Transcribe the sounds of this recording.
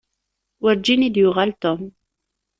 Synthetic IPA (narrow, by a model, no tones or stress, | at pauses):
wəɾd͡ʒinid̪jʊʁalt̪ɔm